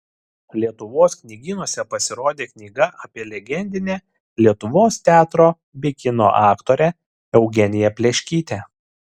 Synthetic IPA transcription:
lʲiɛt̪ʊʋoːsknʲiɡʲɪnuɔsʲɛpɐsʲɪɾoːd̪ʲeːknʲiːɡɐʔɐːpʲiɛlʲɛɡʲɛnʲd̪ʲɪnʲæː | lʲiɛt̪ʊʋoːst̪ʲæːt̪ɾoː | bʲɪkʲɪno̰ːʔɑːkt̪oːɾʲɛ | ɛʊɡʲɛnʲɪjɛpʲlʲɛʃʲkʲiːt̪ʲæ

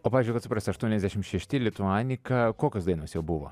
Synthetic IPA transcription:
oːpɑːizʲd͡ʒʲʊɪkɐt̪sʊpɾɑːsʲt̪ʲɪɐʃt̪uɔnʲɛzʲd̪ʲæʃʲɪmʃʲɛʃʲt̪ʲɪlʲɪt̪ʊɑːnʲɪkɐkoːkʲoːsd̪ɐɪnoːsjɛʊbʊʋo̰

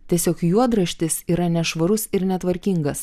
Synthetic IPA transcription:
tʲiɛsʲoːkjuɔd̪ɾɐʃʲt̪ʲɪsiːɾɐnʲɛʃʋɐɾʊsɪɾnʲɛt̪ʋɐɾʲkʲiŋɡɐs

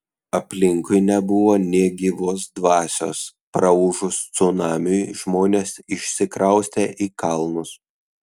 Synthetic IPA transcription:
ɐpʲlʲɪŋkʊɪnʲɛbʊʋoːnʲiɛɡʲɪʋoːsd̪ʋɑːsʲo̰ːspɾɐʊʒʊst̪sʊnɑːmʲʊjʒmoːnʲeːsɪʃʲsʲɪkɾɐʊsʲt̪ʲeːʔiːkɐlˠnʊs

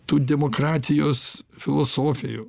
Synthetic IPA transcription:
t̪uːd̪ʲɛmoːkɾɑːt̪ʲɪjoːsfʲɪlˠosoːfʲɪjṵː

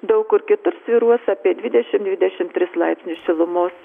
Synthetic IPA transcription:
d̪ɐʊkʊɾkʲɪt̪ʊɾsʲʋʲiːɾuɔsɑːpʲiɛd̪ʲʋʲɪd̪ʲɛʃʲɪmd̪ʲʋʲɪd̪ʲɛʃʲɪmt̪ʲɾʲɪslˠɑɪpʲsʲnʲʊsʃʲɪlˠʊmoːs

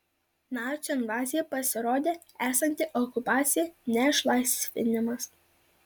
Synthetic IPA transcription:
nɑːt͡ʃʲʊɪnʋɑːzʲɪjɛpɐsʲɪɾoːd̪ʲeː | æːsɐnʲt̪ʲɪʔɔkʊpɑːt̪sʲɪjɛnʲɛɪʃlˠɑɪsʲʋʲɪ̰nʲɪmɐs

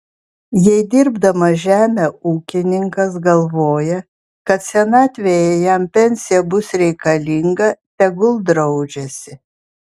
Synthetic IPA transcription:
jɛɪd̪ʲɪɾbd̪ɐmɐʒʲæːmʲeuːkʲɪnʲɪŋkɐs̬ɡɐlˠʋoːjɛ | kɐt̪sʲɛnɑːt̪ʲʋʲejɛjɛmpʲɛnʲsʲɪjɛbʊsɾʲɛɪkɐlʲɪŋɡɐpʲɛɡʊlˠd̪ɾɒʊd͡ʒʲɛsʲɪ

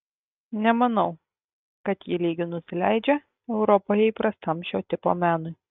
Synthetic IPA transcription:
nʲɛmɐnɒʊ | kɐt̪jɪlʲiːɡʲɪnʊsʲɪlʲæˑɪd͡ʒʲɛ | ɛʊɾɔpoːjɛiːpɾɐst̪ɐmʃʲoːt̪ʲɪpo̰ːmʲæːnʊɪ

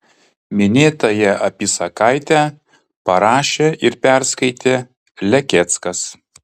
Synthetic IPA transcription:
mʲɪnʲeːt̪ɐjɛʔɐpʲisɐkɑɪt̪ʲæː | pɐɾɑːʃʲeːʔɪɾpʲɛɾskɐɪt̪ʲeː | lʲɛkʲɛt̪skɐs

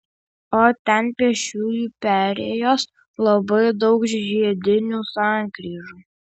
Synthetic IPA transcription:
oːt̪ʲɛnpʲiɛʃʲuːjuːpʲæɾʲeːjoːs | lˠɐbɐɪd̪ɒʊkʒʒʲiɛd̪ʲɪnʲuːsɑˑŋkɾʲiːʒuː

